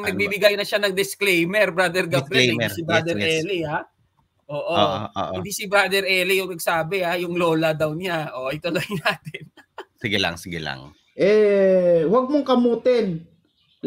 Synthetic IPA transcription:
ŋnɐɡ̚bibɪɡajnɐʃanɐŋd̪ɪsklɛjmɛɾbɾad̪ɛɾɡɐbɾɪsɪbɾad̪ɛɾɛːlia | ʔo̞ːʔo̰ːo̰o̰ʔɪnd̪iːsɪbɾad̪ɛɾʔɛlijʊŋnɐɡ̚saːbɛajʊŋlo̞ːlɐd̪ɐwnɪaʔoʔɐjt̪olɐhɪnaːt̪ɪnsɪɡɪla̰ŋsɪɡɪla̰ŋ | ʔɛ | wɐɡ̚moŋkɐmuːt̪ɪn

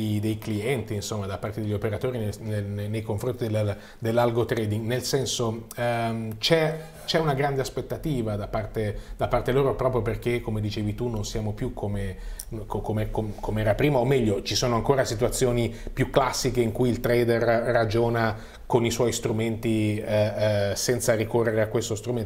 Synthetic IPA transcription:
d̪ejkliɛnt̪iːnsomːad̪apːart̪ed̪eʎːopeɾat̪oːɾinenenenejkoɱfɾont̪id̪el | d̪elːalɡot̪ɾɛːd̪iŋɡnelsɛnso | t͡ʃɛ | t͡ʃɛunaɡɾand̪easpet̪ːat̪iːvad̪apːart̪ed̪apːart̪eloːɾopɾɔpɾjoperk̟ekːomed̪it͡ʃeːvit̪unːonsjaːmopjukʰːomekokomekokʰomeɛːɾapɾiːmaomːɛʎːot͡ʃisoːnoaŋkoːɾasit̪uwat̪sːjoːnipjukːlasːikeiŋkujilt̪ɾɛjd̪erːad͡ʒoːna | koniswɔjst̪ɾument̪i | sɛnt̪saɾikorːeɾeakːwest̪ost̪ɾumen

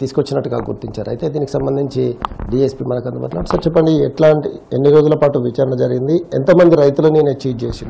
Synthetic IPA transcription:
t̪iːsukʋot͡ʃːinɐʈːuɡa̰ːɡṵɾt̪iɲt͡ʃaːɾuɐjt̪e̞ːd̪iːniki̥sɐmbɐnd̪iɲt͡ʃiɖiːespiːmɐnɐkɐnd̪ɐma̰ːʈlaːʈusɐɾt͡ʃɛpːɐɳɖiɛʈlaːɳʈienːiɾo̞ːd͡ʒulɐpaːʈuʋit͡ʃaːɾɐɳɐd͡ʒɐɾiɡind̪iḛnt̪ɐmɐnd̪iɾɐjt̪ulɐnineːt͡ʃiːʈ̚d͡ʒeːsind̪

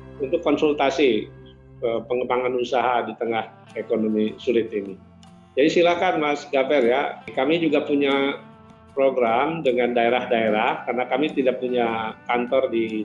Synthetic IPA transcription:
unt̪ukːɔnsult̪asi | əpəŋəbaŋanusaɦadit̪əŋah | ekonomisulɪt̪ini | d͡ʒadisilakanmasɡavɛrjakamid͡ʒuɡapuɲa | pɾoɡɾamdəŋandaeɾahdaeɾahkarnakamit̪idaʔ̚puɲakant̪ɔrdi

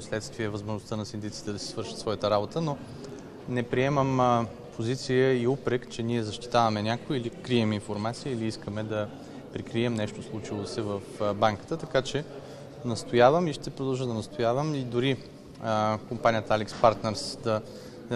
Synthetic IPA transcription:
slɛt̪st̪viɛvəzmoʒnoʊst̪ənɐsind̪it̪si̥t̪ɛd̪ɐsi̥svɤɾʃət̪svɔjət̪əɾabot̪əno | nɛpɾiɛməm | pʰozit̪sijəiupɾɛkt͡ʃɛniɛzɐʃt̪i̥t̪avɐmɛnʲakojilikɾiɛminfoɾmat̪siəiliiskəmɛd̪ɐ | pɾikɾiɛmnɛʃt̪oslˠut͡ʃilˠosɛvəfbaŋkə̥t̪ət̪ɐkat͡ʃɛ | nɐst̪ojavəmiʃt̪ɛpɾod̪ɐlˠʒəd̪ɐnɐst̪ojavəmid̪ʊɾi | kompanʲijət̪alɛkspaɾt̪nɛɾsd̪ɐ

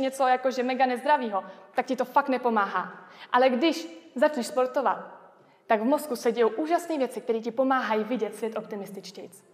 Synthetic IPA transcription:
ɲɛt͡so̞jakoʒɛmɛɡanɛzd̪ɾaviːɦo̞t̪ak̚cɪt̪o̞fak̚t̪nɛpo̞maːɦa̰ːʔalɛɡdɪʃzat͡ʃnɛʃspo̞ɾt̪o̞va̰t̪̚ː | aɡvmo̞skusɛɟɛjowʔuːʒasniːvjɛt͡sɪk̚t̪ɛɾiːc̬ɪpo̞maːɦajiːvɪɟɛt̪svjɛt̪ʔo̞pt̪ɪmɪst̪ɪt͡ʃcɛjt͡s

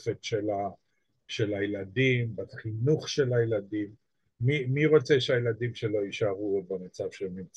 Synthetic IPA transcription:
χet̪ʃela | ʃe̞lajeladimbaχinuχʃe̞lajeladimː | imiʁo̞t͡seʃeajeladimʃe̞lo̞iʃaʁuot̪̚bamat͡savʃeemim

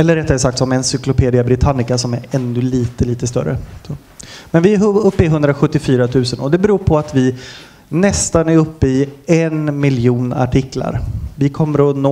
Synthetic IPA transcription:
ɛlːəɖɛt̪ːaɛsak̚t̪sɔmɛnsʏklʊpʰeːd̪ɪabɾɪt̪ʰanːɪkasɔmæɾɛnːɵliːt̪əliːt̪əst̪œ̰ɾːə̰ | mɛnvɪæɦɵpːɪɦɵnd̪ɾaɧɵt̪ːɪfyːɾat̪ʰʉ̟ːsənɔd̪ɛbɛɾuːɾpʰɔat̪vɪ | nɛst̪anæɾɵpːəɪɛnmɪljuːna̰ʈʰɪkːla̰ɾvɪkʰɔmːəɾɔnoː

